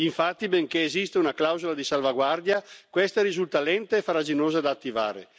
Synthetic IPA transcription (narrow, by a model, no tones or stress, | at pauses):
iɱfat̪ːibeŋkeːzist̪eunaklawzolad̪isalvaɡward̪jakwest̪aɾizult̪alɛnt̪eefaɾad͡ʒinoːzad̪aːt̪ːiva̰ːɾḛ